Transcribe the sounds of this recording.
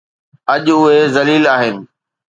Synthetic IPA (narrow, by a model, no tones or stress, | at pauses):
ɐʄʊɦezɐliːlaːɦɪnɪ̆